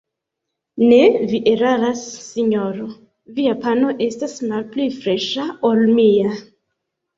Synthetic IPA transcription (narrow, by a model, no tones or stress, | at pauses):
neviʔeɾaɾasːiɲoɾo | viapano̞ʔe̞stasmalplifɾeʃaolmia